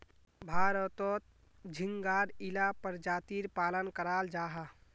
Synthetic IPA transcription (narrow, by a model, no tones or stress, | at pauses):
bʱaːɾət̪ɔːt̪̚ | d͡ʒʱɪŋɡaːɾilapəɾd͡ʒaːt̪iːɾpaːlənkəɾaːld͡ʒaːɦa